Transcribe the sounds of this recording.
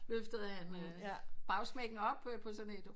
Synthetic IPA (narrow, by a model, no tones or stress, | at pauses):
løfd̥əð̩ˠhæn | b̥ʁɑ̈ʊsmɛɡ̥n̩ɒ̽b̥pʰɒ̽sɔ̽ne̝d̥